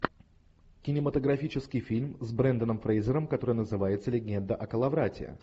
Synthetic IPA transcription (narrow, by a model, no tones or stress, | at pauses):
kʲɪnʲɪmət̪əɡɾɐfʲit͡ɕɪskʲɪjfʲilʲmzbɾɛnd̪ənəmfɾejzʲɪɾəmkɐt̪o̞ɾɨjənəzɨvajɪt̪səlʲɪɡʲend̪əʔɐkəlˠɐvɾatʲɪ̰ə̰